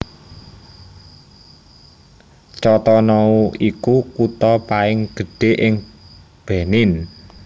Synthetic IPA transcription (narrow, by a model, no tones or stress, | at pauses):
t͡ʃɔt̪ɔnɔuʔikukut̪ɔpaɪŋɡ̥ə̤ɖ̥e̤ʔɪŋ | b̥e̤nɪn